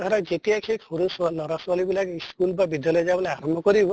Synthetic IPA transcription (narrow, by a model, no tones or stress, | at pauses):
ɡʱɔɾad͡ʒet̪iakʰekhuɾusalɔɾaswalibilakeiskulbabid̪ʱjalɔjd͡ʒabɔlajaɾɔmbʱɔkɔɾibɔ